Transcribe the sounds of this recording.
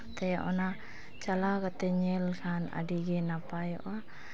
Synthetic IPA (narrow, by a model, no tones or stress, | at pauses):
t̪ajaʔo̰na | t͡ʃalakat̪ɛɲɛlkʰana̰diɡɛnapajɔ̰ʔa